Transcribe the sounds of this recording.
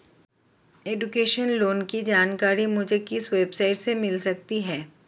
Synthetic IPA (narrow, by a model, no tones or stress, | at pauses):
eːɖʊkeːʃənloːnkid͡ʒaːnkaːɾimʊd͡ʒʱekɪsʋeːbsaːɪʈsemɪlsɐk̚t̪iɦɛː